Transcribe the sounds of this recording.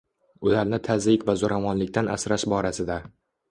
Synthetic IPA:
ʊlaɾnɪt̪ʰazɾɪkʲvazʊɾamɒnlɪkʲt̪anʔa̰sɾaʃbɒɾasɪd̪a

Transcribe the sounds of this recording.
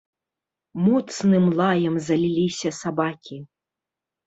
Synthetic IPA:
mut̪snɨmlˠajɐmzɐlʲilʲisʲɐsabakʲi

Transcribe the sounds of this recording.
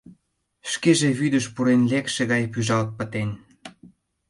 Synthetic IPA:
ʃkeʒeβyd̪əʃpuɾenlekʃeɣɑjpyʒɑlt̪̚pə̆t̪en

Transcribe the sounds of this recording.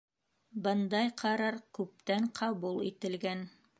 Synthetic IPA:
bɤnd̪ɑjqʰɑɾɑɾkʉp̚t̪æɴqʰɑβulˠḭt̪ɘ̆lɡæn

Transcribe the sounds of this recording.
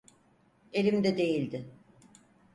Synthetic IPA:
e̞lʲimd̪ɛd̪e̞jilʲd̪ɪ

